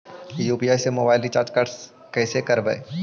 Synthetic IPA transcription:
juːpiaːjsemoːbaːɪlɖɪt͡ʃaːɾd͡ʒkaɾɖs | kɛːsekɐɾbɛ̰e

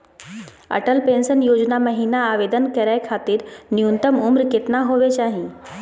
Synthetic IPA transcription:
ɐ̰ʈəlpẽːnsənjoːd͡ʒnamɐɦiːnaːʋeːd̪ənkɐɾaːekʰaːt̪ɪɾniunt̪əmʊmɾkɪt̪naɦoʋet͡ɕaːɦĩ

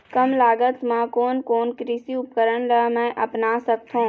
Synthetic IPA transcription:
kəmlaːɡət̪mãkoːnkoːnkɾiːsiʊp̚kəɾənɾəmɛ̃ːʔɐpnaːsəkt̪ʰõː

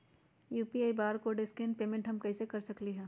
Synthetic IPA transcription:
juːpiaːibaːɾkoɖɪskẽɳʈpeːmẽɳʈɦɐmkɐisekɐɾsɐkliɦɛː

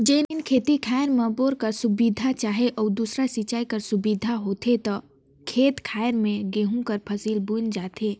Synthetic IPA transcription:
d͡ʒeːnnkʰeːt̪ikʰaːjəɾmə̃boːɾkəɾsʊbid̪ʱat͡ʃaːɦeʔɔːɾd̪uːsɾasit͡ʃaːikəɾsʊbid̪ʱaɦoːt̪et̪ɐ | kʰeːt̪kʰaːjɾmẽɡeːɦũkəɾpʰɐsiːlbʊnd͡ʒaːt̪ʰeː

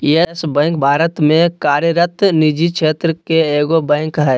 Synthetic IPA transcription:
iesbɛ̃ːŋk̚bʱaːɾət̪mẽkaːɾjəɾət̪nid͡ʒikʃʰeːt̪ɾəkeeːɡobɛ̃ːŋkɦɛː

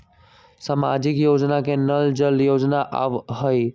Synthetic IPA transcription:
samad͡ʒɪkjoːd͡ʒnakenəld͡ʒəljoːd͡ʒnaʔa̰ʋɦəi

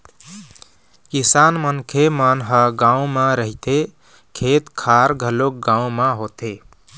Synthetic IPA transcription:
kisanmənkʰemanɦəɡãũmãɾəɦit̪e | kʰet̪kʰaɾɡʱəlok̚ɡãũmãɦot̪e

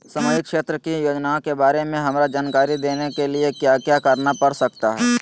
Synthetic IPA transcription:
səməjɪkʃeːt̪ɾəkijoːd͡ʒnaõkebaːɾemẽɦɐmɾad͡ʒaːnkaːɾid̪eːnekeliekjaːkjaːkəɾnapɐɾsək̚t̪aɦɛː

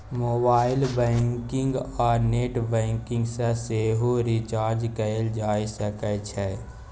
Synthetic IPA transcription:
moːbaːɪlbɛ̃ːŋkɪ̃ŋɡɔːɾneːʈbɛ̃ːŋkɪ̃ŋɡseseɦoɾɪt͡ʃaːɾd͡ʒkəeld͡ʒaːisəkət͡ʃʰɛ

